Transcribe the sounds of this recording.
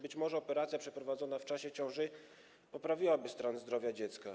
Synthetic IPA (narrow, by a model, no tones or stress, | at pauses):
bɘt͡ɕmɔʐɛɔpɛɾat̪sʲjapʂɛpɾɔvad̪zɔnaft͡ʂaɕɛt͡ɕɔ̃w̃ʐɘ | pɔpɾavʲiwabɘst̪ɾanzd̪ɾɔvʲjad͡ʑɛt̪ska